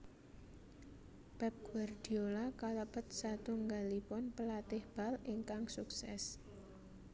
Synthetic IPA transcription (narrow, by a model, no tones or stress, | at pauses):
b̥ɛp̚ɡ̥ward̪̥i̤olakaləpət̪̚sat̪uŋɡalipɔnpəlat̪ɪhb̥a̤liŋkaŋsuksɛ̰s